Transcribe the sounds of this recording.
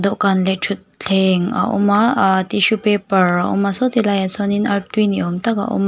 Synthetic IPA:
d̪oʔkanlet͡ʃʰut̪̚ɬʰeŋa̰ʔṵmat̪iʃupepəɾaṵmasɔt̪ilajasɔninat̪winiomt̪aka̰ʔṵm

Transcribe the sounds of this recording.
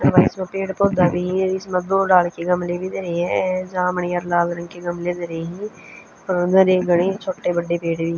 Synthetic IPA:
əʋaːɪsmãːpeːʈpoːd̪aːbĩːɪsmãd̪oːɖaːlkeɡəmleːbʱiːd̪eɾeːɦɛ̃ːd͡ʒãːməɳeːəɾlaːlɾə̃ŋɡkeɡəmleːd̪əɾeːɦĩː | ɾnəɾeːɡəɽ̃eːt͡ʃʰoːʈeːbəɖːeːpeːʈbʱiː

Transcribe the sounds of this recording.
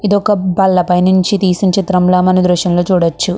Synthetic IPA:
id̪ɔkɐbɐlːɐpɐjnuɲt͡ʃit̪iːsiɲt͡ʃit̪ɾɐmlaːmɐnid̪ɾuʃjɐmloːt͡ʃuːɽɐt͡ʃːu

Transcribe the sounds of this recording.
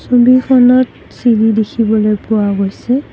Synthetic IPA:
sobikʰɔnɔt | silidekʰibɔlojpʊwaɡojsɛ

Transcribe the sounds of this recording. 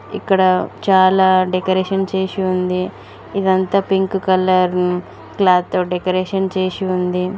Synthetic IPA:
ikːɐɽɐt͡ʃaːlaːɖekɐɾeːʃɐnt͡ʃeːʃiund̪i | id̪ɐnt̪aːpiŋkkɐlːɐɾ | klaːd̪t̪ːoːɖekɐɾeːʂɐnt͡ʃeːʃiund̪i

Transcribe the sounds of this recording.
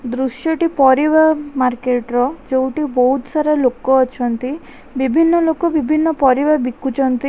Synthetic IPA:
d̪ɾuʃjɔʈipɔɾiβamaɾkeʈɾɔd͡ʒewʈibɔɦut̪saɾalokɔːt͡ʃʰɔnt̪i | bibʱinːɔlokɔbibʱinːɔpɔɾibabikːut͡ʃʰɔnt̪i

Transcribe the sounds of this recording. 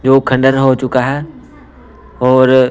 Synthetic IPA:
d͡ʒoːkʰɐ̃ɳɖəɾɦot͡ʃʊkaɦɛː | ɔːɾ

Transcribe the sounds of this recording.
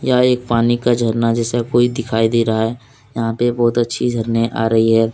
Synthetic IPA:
jaeːk̚paːnikad͡ʒʱɐɾnad͡ʒɛːsakoːid̪ɪkʰaːid̪eːɾaɦaɦɛː | jɐɦãpebɔːʊt̪ɐtːʃʰid͡ʒʱɐɾneʔa̰ːɾɐɦiɦɛː

